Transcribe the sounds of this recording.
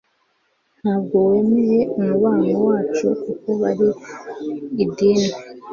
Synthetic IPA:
n̥haːbɡo̞we̞meje̞umuβaːŋowaːt͡ʃṵkuko̞βaɾi | idiːne

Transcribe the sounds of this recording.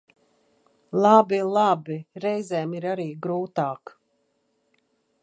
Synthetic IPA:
lˠabilˠabiɾɛjzɛːmiɾaɾiːɡɾuːt̪ɑːk

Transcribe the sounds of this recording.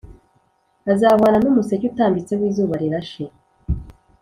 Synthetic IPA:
azaβaːnanumusecutaːmbit͡sewiːzuːβaɾiɾaʃe

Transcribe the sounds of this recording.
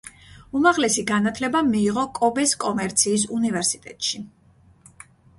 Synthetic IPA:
umaʁlɛsiɡanat̪ʰlɛbamiːʁɔkʼɔbɛskʼɔmɛɾt̪sʰiːs̬univɛɾsit̪ʼɛ̰t̪ʼʃi

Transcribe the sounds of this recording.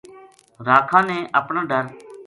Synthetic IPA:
ɾaːkʰãːnẽːʔəpɳãːɖʱəɾ

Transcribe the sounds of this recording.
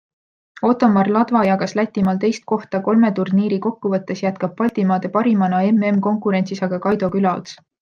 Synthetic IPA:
o̞t̪ˑo̞mːɑrlɑd̪̥vɑjɑɡ̥ɑslæt̪ʲːˑimɑlt̪e̞jst̪̚ko̞ht̪ɑko̞lme̞t̪urniːɾiko̞kːuvɤt̪ˑːe̞sjæt̪̚kɑb̥̚pɑlʲt̪imɑːd̪̥e̞pɑɾimɑnɑe̞me̞mko̞ŋkuɾe̞nʲsisɑɡ̥ɑkɑjd̪o̞kylɑo̰t̪s

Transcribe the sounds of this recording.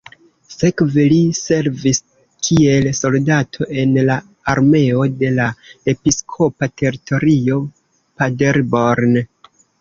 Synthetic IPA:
sekvelise̞ɾvis | kʰie̞lso̞ldatʰo̞ʔe̞nla | aɾme̞o̞de̞lae̞piskʰo̞patʰe̞ɾitʰo̞ɾio̞ | padeɾboɾn

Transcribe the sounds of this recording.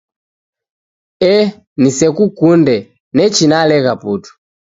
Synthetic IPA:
ɛ | nisɛkukundɛ | nɛt͡ʃinalɛkaputu̥

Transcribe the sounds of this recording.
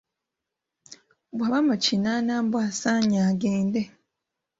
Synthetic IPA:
bwaβamucinanaːmbwasaɲaɡeːnde

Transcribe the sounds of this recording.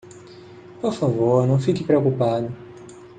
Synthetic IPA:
poɾfavoɾnɐ̃w̃fikɪpɾeokupad̪ʊ

